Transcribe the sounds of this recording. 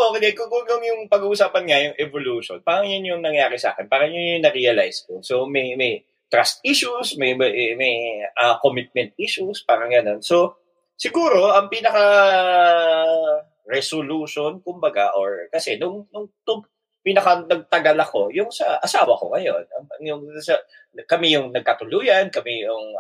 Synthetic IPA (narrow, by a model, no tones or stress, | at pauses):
ʔkɪd̪ɛkʊŋkʊŋjʊŋjʊŋpɐɡuːʔːsaːpɐnŋɐjʊŋʔɛvoluːʃo̰npaːɾɐŋjʊnjʊŋnɐŋjaːɾɛsa̰ːkɛnpaːɾɐŋjʊnʊŋnɐɾijɐla̰jskosomɐjmɐj | t̪ɾast̪̚ʔiʃusmɐjmɐjmɐjɐkomɪt̪̚mɛnt̪̚ʔiʃuspaːɾɐŋɡɐno̞nso̞ | sɪɡuːɾo̞ʔɐŋpiːnɐkɐ | ɾɛsoluʃonkʊmbɐɡa̰ʔoɹkɐsɛnʊŋnʊŋt̪ʊ | piːnɐkɐnɐɡ̚t̪ɐɡɐlɐko̞jʊŋsɐʔɐsaːwɐko̰ŋɐjo̞nɐɐŋjʊŋsɐ | kɐmɛjʊŋnɐɡ̚kat̪ʊluːjɐnkɐmɛjʊŋ